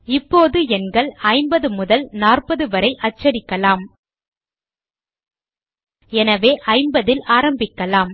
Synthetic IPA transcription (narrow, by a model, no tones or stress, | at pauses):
ɪpːoːðɯɛnɡɐɭɐɪmbɐðɯmʊðɐlnaːrpɐðɯʋɐɾɐɪʔɐt͡ʃːɐɾɪkːɐlaːm | ɛnɐʋeːʔɐɪmbɐðɪlʔaːɾɐmbɪkːɐlaːm